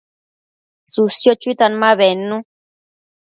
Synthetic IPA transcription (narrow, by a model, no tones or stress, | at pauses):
susjot͡ʃuit̪anmaβenːũ